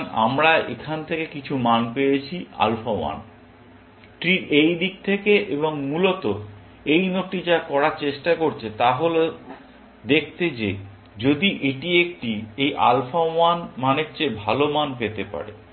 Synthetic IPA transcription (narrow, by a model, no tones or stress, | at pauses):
na̰mɾaekʰant̪ʰekekit͡ɕʰumanpejet͡ɕʰia̰lfawa̰n | ʈɾiɾejd̪ik̚t̪ʰekeʔeboŋmulot̪o | ejnoʈid͡ʑakɔɾaɾt͡ɕeʃʈakoɾt͡ɕʰet̪aɦole | d̪ek̚ʰt̪ed͡ʑe | d͡ʑod̪iʔeʈiek̚ʈiejʔa̰lfawanmanek̚t͡ɕebʱalomanpet̪epa̰ɾḛ